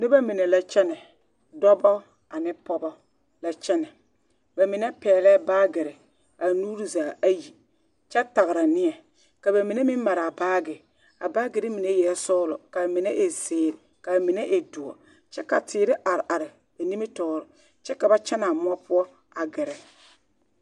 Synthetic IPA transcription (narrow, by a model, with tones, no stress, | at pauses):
nɪ˦ba˦mɪ˨nɛ˨la˦t͡ʃɛ˦nɛ˨ | dɔ˦bɔ˦ | a˨nɪ˦pɔ˦bɔ˦ | la˦t͡ʃɛ˦nɛ˨ | ba˨mɪ˨nɛ˦pɛː˨lɛː˦baː˦ɡɪ˨ɾɛ˨ | a˨nuː˦ɾi˦zaː˨a˦ji˨ | t͡ʃɛ˦ta˨ɣɾa˨nɪ˦ɛ˨ | ka˨ba˨mɪ˨ne˦mɪ˦m˦ma˨ɾa˨baː˦ɡɪ˨ | a˨baː˦ɡɪ˨ɾɪ˦mi˨ne˦jɛ˨˦sɔː˦lɔ˨ka˨bmɪ˨ne˦ʔe˨sɪː˨ɾɪ˨ka˨mɪ˨ne˦ʔe˨du˨ɔ̰˨ | t͡ʃɛ˦ka̰˨tʰɪː˨ɾɪ˦ʔa˨ɾɪ˨ʔa˨ɾɪ˨ | ba˨ni˦me˦tɔː˨ɾɔ˨ | t͡ʃɛ˦ka˨ba˦t͡ʃɛ˦na˨mʊ˦ɔ˦pʊ˦ɔ˦ | a˨ɡɪ˨ɾɛ˨